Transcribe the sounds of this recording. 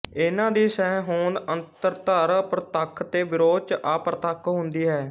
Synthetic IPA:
ɪnãːd̪iːsɛ̃ːɦõːnd̪ənt̪əɾt̪əɾpɾət̪əkʰːt̪eːbɪɾoːt͡ʃʔaːpɾət̪əkʰɦʊnd̪iːɦɛː

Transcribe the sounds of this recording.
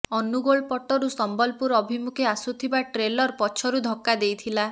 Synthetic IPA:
ɔnuɡoɭpɔʈɔɾusɔmbɔlpuɾɔbʱimukʰeasut̪ʰibaʈɾelɔɾpɔt͡ʃʰɔɾud̪ʱɔkːad̪ejt̪ʰila

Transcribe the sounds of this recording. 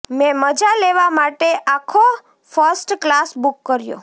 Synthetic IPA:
mẽməd͡ʒaleʋamaʈeʔakʰo | fəɾsʈklasbukːəɾjo̰

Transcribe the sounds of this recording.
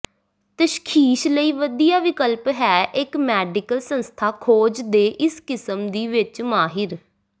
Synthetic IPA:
t̪əʃkʰiːʃləiːʋəd̪iːjaːʋɪkəlpɦɛːʔɪkmɛːɖɪkəlsə̃nst̪ʰaːkʰoːd͡ʒd̪eːʔɪskɪsəmd̪iːʋɪt͡ʃmaːɦɪɾ

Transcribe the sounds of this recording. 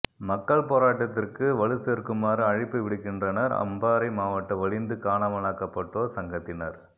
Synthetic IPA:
mɐkːɐɭpoːɾaːʈːɐt̪ːɪrkɯʋɐɻɯsɛɾkːɯmaːɾɯɐɻɪpːɐɪʋɪɽɯkːɪndrɐnɐɾɐ̰mbaːɾɐɪmaːʋɐʈːɐʋɐɻɪnd̪ɯkaːɳɐʋɐnaːkːɐpːɐʈːoːsɐŋɡɐt̪ːɪnɐɾ

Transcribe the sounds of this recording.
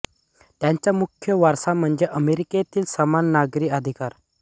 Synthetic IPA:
t̪jãɲt͡ɕjamukʰjəʋaɾsam̤əɳd͡zeʔəmeɾiket̪iːlsəmanːaɡɾiːəd̪ʱikaɾ

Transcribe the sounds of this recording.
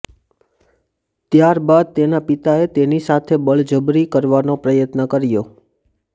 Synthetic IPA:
t̪jaɾbad̪̚t̪enapit̪aet̪enisat̪ʰebəɭd͡ʒəbɾikəɾʋanopɾəjət̪nəkəɾjo

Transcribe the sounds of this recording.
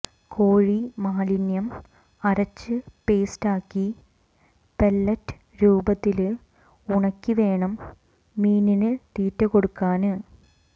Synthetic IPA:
kʰoːɻimaːlinjɐm | ɐɾɐt͡ɕːɨpe̞ːstaːkːi | pelːɐtːɨ̥ | ɾuːbɐt̪ːil | uɳɐkːiʋe̞ːɳɐmː | iːninɨt̪iːtːɐko̞ɽukːaːnɨ

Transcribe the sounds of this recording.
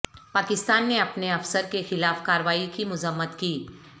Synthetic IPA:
paːkɪst̪aːnːeɐpneɐfsəɾkexɪlaːfkaːɾəʋaːikimʊzəmːət̪kiː

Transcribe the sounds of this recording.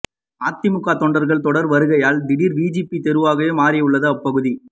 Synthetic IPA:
aːt̪ːɪmʊkːaːt̪ɔɳɖɐɾɣɐɭt̪ɔɽɐɾʋɐɾɯɣɐjaːld̪ɪɽiɾʋiːd͡ʒipːit̪ɛɾɯʋaːɣɐʋeːmaːɾɪjɐɯɭːɐðɯɐpːɐɣɯði

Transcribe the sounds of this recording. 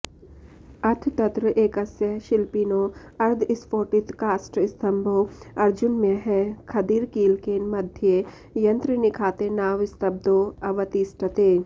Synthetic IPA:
ɐt̪ʰt̪ɐt̪ɾəʔeːkɐsjəʃɪlpiːno | ɐɾd̪ʱɪspoːʈɪt̪kaːsʈɪst̪ʰɐmbʱowɐɾd͡ʒʊnmẽɦɛkʰɐd̪iɾkiːlkeːnmɐd̪ʱje | jɐ̃nt̪ɾənɪkʰaːt̪enaːʋɪst̪ɐb̚d̪oɐʋɐt̪iːsʈɐt̪eː

